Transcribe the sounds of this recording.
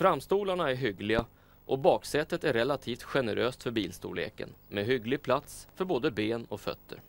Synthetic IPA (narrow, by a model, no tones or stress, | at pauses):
fɾamst̪uːlaɳaæɾɦʏɡlɪɡa | ʔɔbɑːksɛt̪ːət̪æɾɾɛlat̪ʰiːft̪ɧɛnəɾʔøːst̪fœɾbiːlst̪ṵːlḛːkə̰nmɛɦʏɡlɪɡ̚pʰlat̪sfœɾboːd̪əbeːnɔfœ̰t̪ːə̰ɾ